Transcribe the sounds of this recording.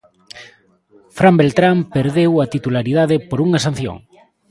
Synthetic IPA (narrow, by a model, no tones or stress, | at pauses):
fɾambelt̪ɾampeɾðewat̪it̪ulaɾiðaðepoɾuŋɐsan̟θjo̰ŋ